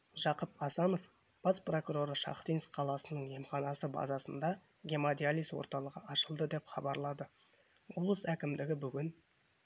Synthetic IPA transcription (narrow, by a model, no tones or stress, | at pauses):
ʒɑqəpɑsɑno̞f | b̥ɑspro̞kuɾo̞ɾəʃɑ̰χt̪ijnsqʰɑlˠɑsənəɴje̞mχɑnɑsəbɑ̰zɑsənd̪ɑ | ɡʲe̞mad̪ijalʲiswo̞̰ɾt̪ɑlˠəʁəʔɑʃəlˠd̪əd̪e̞pχɑbɑɾlˠɑd̪ə | woblˠəsækʲɪmd̪ɪɡʲɪbʏɡʲɪn